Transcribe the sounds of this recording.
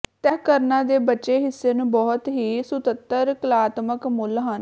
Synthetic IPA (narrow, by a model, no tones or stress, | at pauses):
t̪ɛːɦkəɾnãːd̪eːbəːʃeːɦɪsːeːnũːbɔːt̪ɦiːsʊt̪ət̪ːəɾkəlaːt̪məkmʊlɦən